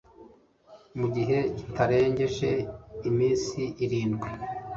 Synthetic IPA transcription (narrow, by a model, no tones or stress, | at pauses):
muɟiɦe̞citʰaɾe̞ːɲɟe̞ʒe̞imiːnsiʔiɾiːnɡwe